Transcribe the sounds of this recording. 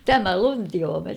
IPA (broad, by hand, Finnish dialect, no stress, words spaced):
tæmæ luntioːmet